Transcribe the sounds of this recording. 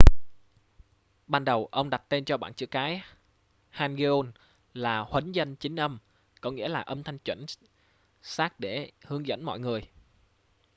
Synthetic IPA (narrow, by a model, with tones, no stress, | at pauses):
ɓaː˧nɗə˨˩wʔə˧wŋ͡mɗa˨˩t̚t̪e˧nt͡ɕɔ˧ɓaː˧˨nt͡ɕɨ̰˧˥əkaː˨˦j | haː˧mɣe˧ʔo˧n | laː˨˩hwə˨˦nzə˧nt͡ɕï˨˦ŋ̟ʔə˧m | kɔ˨˦ŋḭ˧˥əlaː˨˩ʔə˧mt̪ʰa˧jŋt͡ɕwə̰˧˩n | saː˦˥k̚ɗe˧˩hɨ˨˦əŋzə̰˧˥nmɔ̰˧˨jŋɨ˨˩əj